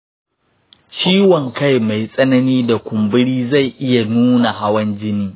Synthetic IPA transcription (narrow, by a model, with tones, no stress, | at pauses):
t͡ʃiː˦wɐ˨ŋka˦˨jma˨jsʼɐ˦nɐ˦niː˦da˨kʷʊ˨mbɪ˦ɽiː˦za˦˨jʔɪ˦ja˨nuː˦na˨ha˦wɐ˦nd͡ʒɪ˦niː˦